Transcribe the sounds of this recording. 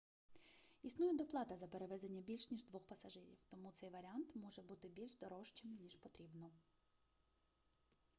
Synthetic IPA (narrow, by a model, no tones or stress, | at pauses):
isnujɛd̪ɔplˠɑt̪ɐzɐpeɾeʋɛd̪enʲːɐbʲilʲʃnʲiʒd̪ʋɔxpɐsɐʒɪɾʲḭwt̪ɔmut̪sɛjʋɐɾʲiɑnt̪mɔʒɛbut̪ɪbʲilʲʒd̪ɔɾɔʃt͡ʃɪmnʲiʃpɔt̪ɾʲibnɔ